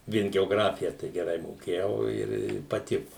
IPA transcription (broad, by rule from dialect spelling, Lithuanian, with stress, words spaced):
ˈʋʲiɛn ɡʲɛoːˈɡrɑːfʲɪjɛ tɐɪ ɡʲɛˈrɐɪ moːˈkʲeːjɛʊ ɪr ɪ pɐˈtʲɪkʊ